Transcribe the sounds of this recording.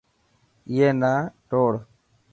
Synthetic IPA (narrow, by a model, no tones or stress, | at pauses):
ɪjeːnaːʈoːɽ